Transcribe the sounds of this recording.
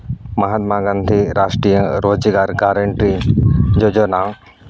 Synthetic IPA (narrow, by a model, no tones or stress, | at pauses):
maɦat̪̚maɡand̪ʱiɾasʈɾijə̃ɾod͡ʒiɡaɾɡaɾeɳʈɾid͡ʒod͡ʒɔna